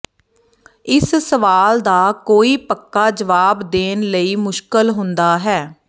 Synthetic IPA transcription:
ɪssəʋaːld̪aːkoːiːpəkːaːd͡ʒəʋaːbd̪eːnləiːmʊʃkəlɦʊ̃nd̪aːɦɛː

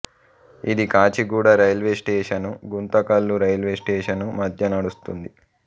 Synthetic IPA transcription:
id̪ikaːt͡ʃiɡuːɽɐɾɐjlʋeːsʈeːʂɐnuɡunt̪ɐkɐlːuɾɐjlʋeːsʈeːʂɐnumɐd̪ʱjɐnɐɽust̪und̪i

